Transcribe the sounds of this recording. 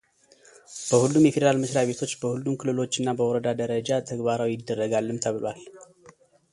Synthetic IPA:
b̥əhulːumjɛfed̪əɾalmɨsɾaβe̞t̪ʰo̞t͡ʃːbəhulːumkʰɨlɨlo̞t͡ʃːɨnːabəwɔɾəd̪ad̪əɾəd͡ʒat̪ʰəɡbaɾawjɪd̪ːərːəɡalːɨmt̪ʰəβɨlal

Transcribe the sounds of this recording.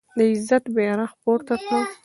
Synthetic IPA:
d̪əɪzat̪bjɑɾaxpoɾt̪akə

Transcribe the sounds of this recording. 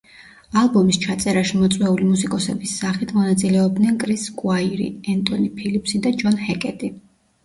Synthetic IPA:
alˠbɔmist͡ʃʰat̪sʼɛɾaʃimɔt̪sʼwɛulimusikʼɔsɛbisːaχit̪ʰmɔnat̪sʼilɛɔb̚d̪nɛnkʼɾiskʼwaiɾḭɛnt̪ʼɔnipʰilipʰsid̪ad͡ʒɔnhɛkʼɛt̪ʼi

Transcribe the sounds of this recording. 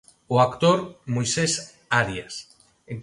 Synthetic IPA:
oakt̪oɾmojses | aɾjas | eŋ

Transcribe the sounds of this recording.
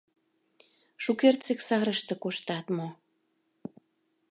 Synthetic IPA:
ʃukert̪seksɑɾəʃt̪ĕkoʃt̪ɑt̪mo

